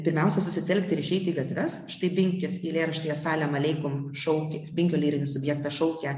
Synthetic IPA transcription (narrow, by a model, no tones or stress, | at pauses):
pʲɪɾʲmʲɛʊsʲɛsʊsʲɪt̪ʲɛlʲkt̪ʲɪɾɪʃʲɛɪt̪ʲiːɡɐt̪ʲɾʲɛsʃɪ̥t̪ɐɪbʲɪŋʲkʲɪsilʲeːɾɐʃʲt̪ʲɪjɛsɑːlʲɛmɐlʲɛɪkoːmʃɐʊkʲɪbʲɪŋʲkʲoːlʲiːɾʲɪnʲʊsʊbʲjɛːkt̪ɑʃɐʊkʲɛ